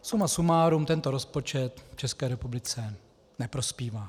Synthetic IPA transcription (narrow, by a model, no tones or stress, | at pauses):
sumasumaːɾumt̪ɛnt̪o̞ɾo̞spo̞t͡ʃɛt̪ft͡ʃɛskɛːɾɛpublɪt͡sɛ | nɛpɾo̞spiːvaː